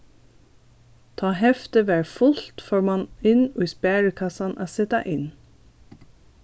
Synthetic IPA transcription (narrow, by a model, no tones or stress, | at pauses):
t̪ʰɑːhɛft̪əʋæːɹfʊlt̪foːɹmɑnɪno̰ːiːspæːɹəkʰɑsɑnʔæ̰ːsɛt̪ɑ̰ʔɪn